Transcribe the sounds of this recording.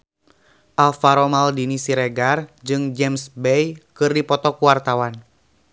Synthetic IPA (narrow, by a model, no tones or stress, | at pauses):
ʔalfaɾɔmaldinisiɾɛɡard͡ʒɨŋd͡ʒɛmsbɛjkɨrdipɔt̪ɔkuwart̪awan